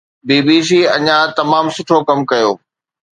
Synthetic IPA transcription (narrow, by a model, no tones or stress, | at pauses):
biːbiːs̬iːɐ̰ɲãt̪ɐmaːmsʊʈʰokɐmkɐjoː